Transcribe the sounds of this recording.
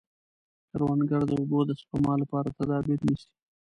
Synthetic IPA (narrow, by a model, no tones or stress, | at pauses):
kaɾwɑnɡaɽd̪əobod̪əspamɑlapɑɾat̪ad̪ɑbɪɾnəʃi̥